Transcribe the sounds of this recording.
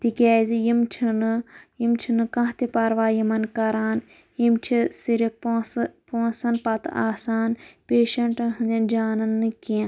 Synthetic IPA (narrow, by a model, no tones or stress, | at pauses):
t̪ikʲaːzijimt͡ʃʰinɨjimt͡ʃʰinɨkɐ̃ɦt̪ipɐɾʋaːjimɐnkɐɾaːn | jimt͡ʃʰisiɾʲipːpõːnsɐnpɐt̪ʔaːsaːnpeːʃɐɳʈɨɦɨnd̪ʲɐnd͡ʒaːnɐnːɨkiã